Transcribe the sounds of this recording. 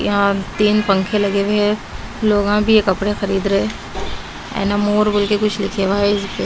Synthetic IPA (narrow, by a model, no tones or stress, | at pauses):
ɦãt̪iːnpɐ̃ŋkʰelɐɡeʋeloːɡãbʱijekɐpɽexɐɾiːd̪ɾɐɦe | ɛ̰̃ːnamoːɾbɐlkekʊt͡ʃʰlɪkʰeʋaːpe